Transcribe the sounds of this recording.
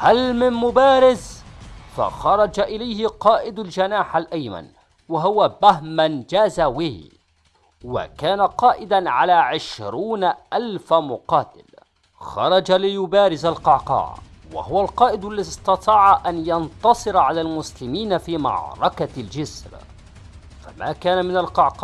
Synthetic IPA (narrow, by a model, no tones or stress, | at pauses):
halmɪnmʊbaːɾɪzfa̰xɑɾˤɑd͡ʒaʔɪlajhɪqɑːʔɪd̪ald͡ʒanaːħalʔajma̰n | waɦʊwabaɦmand͡ʒaːzawɪh | wa̰kaːnaqɑːʔɪd̪anʕalaːʕɪʃɾuːnaʔalfamʊqɑːt̪ɪ̰l | xɑ̰ɾˤɑd͡ʒalɪjʊbaːɾɪzalqɑʕqɑ̰ːʕwa̰hʊwalqɑːʔɪd̪ʔalːaðɪsˤt̪ɑt̪ˤɑːʕaʔanjɑnt̪ɑsˤɨɾʕalaːlmʊslɪmiːnafiːmɑ̰ʕɾˤɑkald͡ʒɪsɾ | fama̰ːkaːnamɪnalqɑʕqː